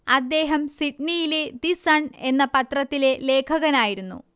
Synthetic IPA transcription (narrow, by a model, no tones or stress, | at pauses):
ɐd̪ːe̞ːɦɐmsiʈnijiled̪isɐɳe̞nːɐpɐt̪rɐt̪ːile̞le̞ːkʰɐɣɐnaːjiɾunːṵ